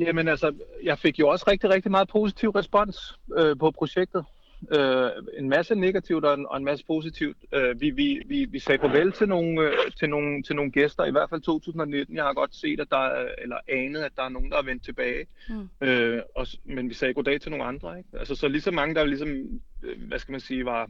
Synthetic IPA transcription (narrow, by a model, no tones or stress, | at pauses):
jæmenælsəjɑ̈ɪfe̝ɡ̥jo̝ɒ̽sʁɛɡ̥̚d̥iʁɛɡ̥̚d̥imɑ̈ːð̞̩ˠpʰo̝sit͡sʰiʊ̰ʁɛsb̥ɒ̽n̰søpʰɒ̽pʰʁo̝ɕeɡ̥̚d̥ð̩ˠ | øe̝nmæsəne̝ɡ̥æt͡sʰiʊd̥ɒ̽enɒ̽e̝nmæsə̥pʰo̝ːsit͡sʰiʊd̥øʋiʋiʋiʋisɛːfʰɒ̽ʋel̰t͡sʰe̝lno̝ːn̩t͡sʰe̝lno̝ːn̩t͡sʰe̝lno̝ːn̩ɡ̥esd̥ɐiʋæɐd̥fæl̰t͡sʰo̝̰ːt͡sʰṵːsn̩ɒ̽ne̝d̥n̩jɑ̈hɑ̈ɡ̥ɒ̽d̥se̝̰ːd̥æd̥ɑ̈elɐɛːnəð̞̩ˠæd̥ɑ̈æɐno̝ːn̩d̥ɑæʋen̰d̥̚t͡sʰe̝b̥ɛːɪ | øɒ̽menʋisɛːɡ̥o̝d̥ɛ̰ːt͡sʰe̝lno̝ːnɑ̈nd̥ʁɐe̝ɡ̥ælsəsɒ̽lisɒ̽mɑ̈ŋəd̥ɑlisɒ̽m | ʋæsɡ̥æmænsiːʋɑ̈